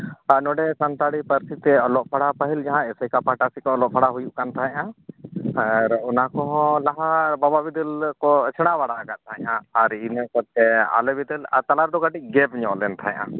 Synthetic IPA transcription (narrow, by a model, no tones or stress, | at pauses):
anɔɖɛsant̪aɽipəɾsit̪ɛɔlɔʔpʰaɽapəɦild͡ʒaɦãɛsəjkapaʈasikɔɔlɔʔ̚pʰaɽaɦujuʔkant̪ʰaɦɛ̃ʔã | aɾɔnakɔɦɔ̃laɦabababid̪ɛlkɔt͡ʃʰɛɽ̃abaɽaːɡat̪̚ˀt̪ʰaɛ̃ɲãaɾinəkɔt̪̚ɛa̰lɛbid̪ɛla̰ɾt̪alaɾd̪ɔɡaʈic̚ˀɡɛpɲɔ̃ʔlɛnt̪ʰaɛ̃ʔã̰